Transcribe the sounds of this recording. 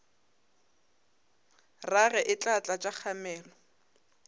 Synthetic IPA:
raɣɛʔɪt͡ɬʼat͡ɬʼat͡ʃʼak͡xʰamɛːlɔ

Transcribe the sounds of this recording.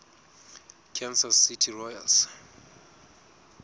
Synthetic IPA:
kʰɛnsasːitʰirɔja̰ls

